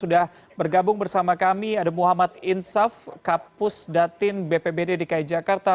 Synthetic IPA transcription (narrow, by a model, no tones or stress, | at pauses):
udah | bərɡabʊŋbərsamakamiadamuɦamat̪ɪnsafkapʊsdat̪ɪnbepebededikaid͡ʒakart̪a